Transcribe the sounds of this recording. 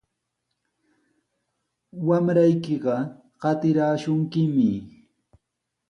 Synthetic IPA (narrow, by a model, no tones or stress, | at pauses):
wamɾajkɪɢɑ | ɢɑt̪ɪɾaːʃʊŋkɪmɪ